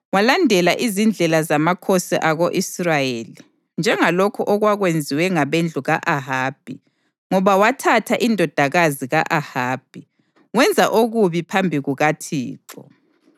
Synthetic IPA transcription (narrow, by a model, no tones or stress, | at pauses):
walandʱɛlaʔizind͡ɮʱɛlazamakʰɔsɛ̰ʔaɣoʔisrajeli | nd͡ʒʱɛŋalokʰuʔɔɣwaɣwend͡zʱiwɛŋaβend͡ɮʱuɣaʔaɦaːb̥ʱi | ŋɔβawatʰatʰaʔindʱɔd̥ʱaɣaziɣa̰ʔahaːb̥ʱi | wɛnd͡zʱaʔoɣuβipʰambʱiɣuɣatʰḭːǁɔ̰